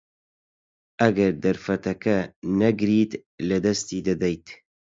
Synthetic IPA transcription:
ɐɡɐɾd̪ɐɾfɐt̪ɐkɐnɐɡɾiːt̪ | lɨd̪ɐst̪iːd̪ɨd̪ɛjt̪

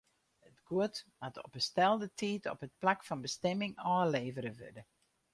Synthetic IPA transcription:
ətɡ̥uətmatʰɔ̰pəstɛlˠdətʰiːtʰɔ̰pət̚plakfɑnbəstɛmɪŋɔːleːvəɾəʋø̰də

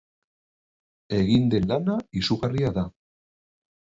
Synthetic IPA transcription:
e̞ɣind̪e̞nlanaisuɣariaða

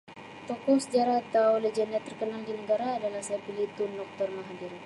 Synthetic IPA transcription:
t̪ɔkɔsəd͡ʒaɾaht̪awləd͡ʒənɛt̪ːərkənaŋdinəɡaɾaːdalahsapilit̪unːɔk̚t̪ərmaɦadiɾ

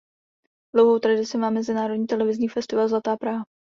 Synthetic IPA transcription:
d̥lowɦowt̪ɾadɪsɪmaːmːɛzɪnaːɾodɲiːt̪ɛlɛvɪzɲiːfɛst̪ɪvalzlat̪aːpɾaːɦa

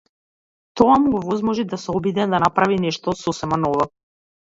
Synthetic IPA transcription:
t̪ɔamuɡɔvɔzmɔʒid̪asɛɔbid̪ɛd̪anapɾavinɛʃt̪ɔsɔsɛmanɔvɔ

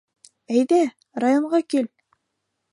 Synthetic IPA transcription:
æjðæ | rajoɴɢɑkil

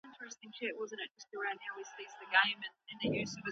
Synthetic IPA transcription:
ɪ̃ntɹ̥ɨstɪ̃ŋʃʰɛʔ̚wʌzɨ̃ñɨt̚d͡ʒ̥ʌst̚ə˞ãʊ̃nhaʊwisizðɨɡẽɪ̃mɨ̃nɨ̃nðɨjʉzʌvɨ

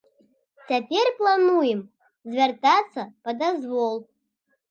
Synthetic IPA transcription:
t͡sʰʲapʲerʲplˠanujem | zvʲert̪ʼat͡sʰːɐpɐd̪azvolˠ

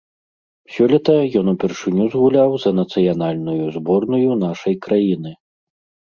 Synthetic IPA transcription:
sʲɔlʲɛt̪ɐjɔn̪upʲɛrʂɨnʲuzɣulʲawzɐnɐt̪sɨjan̪alʲnujuzbɔrnujunaʂɐjkɾajinɨ

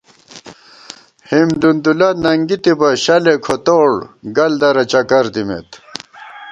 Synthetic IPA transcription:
himd̪und̪ulanɐŋɡit̪ibɐɕɐlekʰot̪oːɽɡɐld̪ɐɾɐt͡ɕɐkɐɾt̪imḛt̪

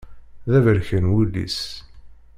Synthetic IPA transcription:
ðævəɾçənwulːḭs

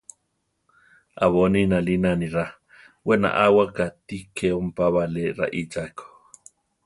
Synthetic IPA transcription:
ʔaβoninalinaniɾa | wena̰ʔawakat̪ikʰeompaβaleɾa̰ʔid͡ʒako̥

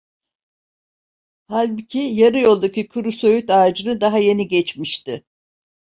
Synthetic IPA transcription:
halʲbicʰijaɾɯjo̞lˠd̪acʰikʰuɾusøjyt̪aːd͡ʒɯnɯd̪aɦaje̞niɟɛt͡ʃmiʃt̪ɪ

